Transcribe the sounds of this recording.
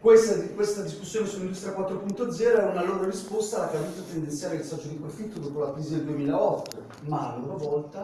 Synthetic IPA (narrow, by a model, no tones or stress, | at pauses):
kwest̪ad̪ikwest̪ad̪iskusːjoːnesulːind̪ust̪ɾʲijakwat̪ːɾopunt̪od̪zːɛːɾoɛunaloːɾoɾispost̪aakavuːt̪ot̪end̪ent̪sjaːɾeilsɔd͡ʒːod̪ipɾofit̪ːod̪oːpolakɾiːzid̪eld̪uemiːlaɔt̪ːo | maloɾovɔlt̪a